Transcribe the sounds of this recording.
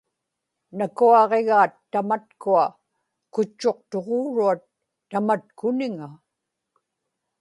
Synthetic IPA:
nakuɑʁe̞ɣaːt̪ːamat̪̚kua | kʊt͡ʃːo̞q̚t̪oʁoːɻuat̪ː | amat̪kʊnɪŋa

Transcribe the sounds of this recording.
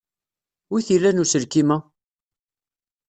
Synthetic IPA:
wiθilːænusəɾkimæ

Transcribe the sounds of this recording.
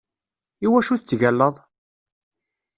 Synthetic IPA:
iwæʃuθət͡sːʝælːəðˤ

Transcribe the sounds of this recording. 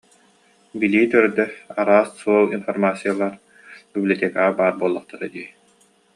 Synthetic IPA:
biliːt̪œɾd̪ɛaɾaːsːuɔlˠinfɔɾmaːsijalˠaɾ | biblʲiɔt̪ʲɛkaːbaːɾbuɔlˠːɔχt̪aɾɯd̪iː

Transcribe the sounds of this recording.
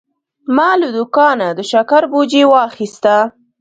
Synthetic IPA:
mɑləd̪ʊkɑnad̪əʃakaɾbod͡ʒewɑxist̪a

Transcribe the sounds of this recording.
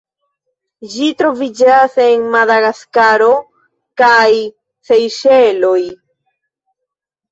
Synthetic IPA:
d͡ʒitɾo̞vid͡ʒase̞nmadaɣaskaɾo̞ | kaj | sejʃelo̞j

